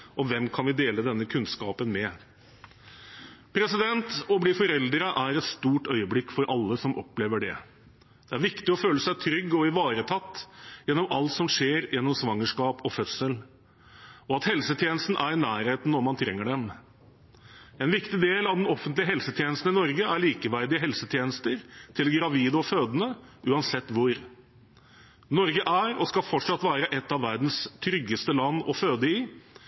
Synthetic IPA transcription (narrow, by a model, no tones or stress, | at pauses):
ɔʋɛmkʰɑnʋɪd̪eːləd̪ɛnːəkʰʉnskɑːpənmɛ | pʰɾɛsɪd̪ɛnt̪ɔbliːfɔɾɛld̪ɾəʔæɾɛt̪st̪uːʈœʏəblɪkːfɔɾʔɑlːəsɔmʔɔ̰pleːʋəɖɛ̰ | d̪̥ɛæɾʋɪkt̪ɪɔføːləsæɪt̪ʰɾʏɡːɔɪʋɑːɾət̪ʰɑt̪ːjɛnːɔmɑlt̪sɔmʂeːɾjɛnːɔmsʋɑŋːəʂkɑːpɔfœsəl | ɔɑt̪hɛlsət̪ʰjeːnəst̪n̩ʔæɾɪnæːɾheːt̪n̩ːɔmɑnt̪ʰɾɛŋːəɖɛm | ɛnʋɪkt̪ɪd̪eːlɑʋd̪ɛnɔfːənt̪lɪəɦɛlsət̪ʰjeːnəst̪n̩ɪnɔɾɡəæɾɭiːkəʋæɾd̪ɪəɦɛlsət̪ʰjeːnəst̪əɾt̪ʰɪlɡɾɑʋiːd̪əɔføːd̪ənəʔʉːɑnsɛt̪ːʋʊɾ | nɔɾɡəʔæɾɔskɑfɔʈʂɑt̪ʋæːɾəʔɛt̪ːɑʋːæɾd̪n̩st̪ʰɾʏɡːəst̪əlɑnːɔ̰føːd̪əɪ